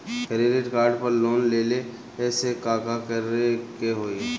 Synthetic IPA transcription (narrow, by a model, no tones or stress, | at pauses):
kəɾeːɖeʈkaːɾɖpəɾloːnleːle | ɛːsekaːkakəɾekeɦoːe